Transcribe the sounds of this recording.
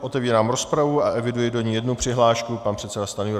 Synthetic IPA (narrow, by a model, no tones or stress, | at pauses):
ʔo̞t̪ɛviːɾaːmɾo̞spɾavuaʔɛvɪdujɪdo̞ɲiːjɛdnupr̥ɪɦlaːʃkupanpr̥ɛt̪sɛdast̪anʊju